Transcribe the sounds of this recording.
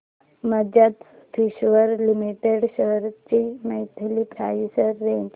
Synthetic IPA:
məd͡ʑat̪ | fʰiɕʋəɾlimiʈeɽɕəɾt͡ɕiməit̪ʰəlipɾajisəɾːed͡ʑ

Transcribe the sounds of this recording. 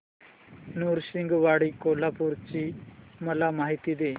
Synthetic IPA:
nuɾsiŋɡʋaɽikolapuɾt͡ɕiːməlamaɦit̪iːd̪e

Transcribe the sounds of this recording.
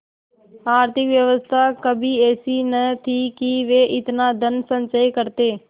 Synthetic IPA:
aːɾt̪ʰɪkʋjəʋəst̪ʰakəbʱiːɛːsiːnət̪ʰiːkiʋeːʔɪt̪naːd̪ənsə̃nt͡ʃəikəɾt̪eː

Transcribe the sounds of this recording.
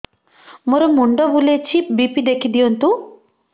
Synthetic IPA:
muɾɐmːuɳɖɐbuleːt͡ʃʰip̚bipid̪ekʰːid̪ijont̪u

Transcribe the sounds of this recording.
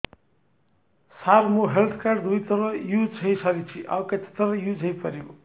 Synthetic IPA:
sarmoɦelt̪ʰkard̪ujt̪ʌɾʌjud͡zɦʌjsʌɾit͡sʰiʔa̰wkat͡s̪ʰi̥t̪ʌɾʌjud͡zɦʌjpʌɾjo

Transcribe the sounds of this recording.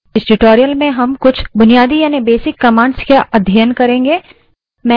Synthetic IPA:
ɪsɖɪʈoːɾijəlmẽɦɐmkʊt͡ʃʰbʊnijaːd̪ijaːnibeːsɪkːɐmãːɳɖskaʔɐd̪ʱjəjənkɐɾẽːŋɡeː | mɛ̃

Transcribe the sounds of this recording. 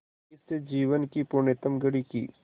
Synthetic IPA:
ɪsed͡ʒiːʋənkipuɳet̪əmɡəɽikḭː

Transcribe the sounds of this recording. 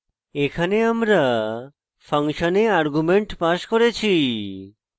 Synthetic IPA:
ekʰaneamɾa | fʰaŋʃoneaɾɡumeɳʈpaʃkoɾet͡ɕʰi

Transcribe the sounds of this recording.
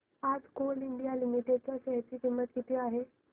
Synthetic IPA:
aːd͡zkoːlɪɳɖijalɪmiʈeɖ̚t͡sasɛɦtikɪmːət̪̚kit̪iaːɦe

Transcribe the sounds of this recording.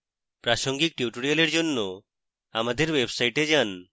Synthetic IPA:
pɾaʃoŋɡik̚ʈiuʈoɽialeɾd͡ʑonːo | amad̪eɾwebsajʈed͡ʑan

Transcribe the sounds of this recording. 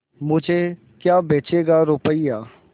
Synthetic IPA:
mʊd͡ʒʱe | kjaːbeːt͡ʃeːɡaɾʊpəiaː

